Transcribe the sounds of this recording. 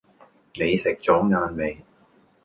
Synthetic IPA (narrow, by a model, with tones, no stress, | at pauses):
ne˨˧jsɪ˨k̚t͡sɔː˨˥ŋaː˧nme˨˧j